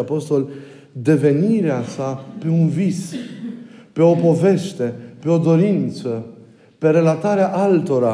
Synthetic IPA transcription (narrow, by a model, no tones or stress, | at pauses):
apo̞st̪o̞l | d̪e̞ve̞niɾeasape̞unvis | pe̞o̞po̞ve̞ʃt̪e̞pe̞o̞d̪o̞ɾint̪sə | pe̞ɾe̞lat̪aɾeaʔalt̪o̞ɾa